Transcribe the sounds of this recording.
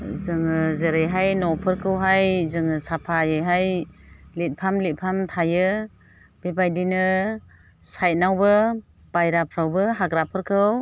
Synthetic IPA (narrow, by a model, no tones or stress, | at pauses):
zɯŋɯzeɾejɦajnɔpʰɯɾkʰɯwɦajzɯŋɯsapʰajɯjɦajlit̚pʰamlit̚pʰamtʰajɯ | b̥ebajdinɯ | sajt̚nawbɯ | b̥ajɾapʰɾawbɯɦaɡɾapʰɯɾkʰɯw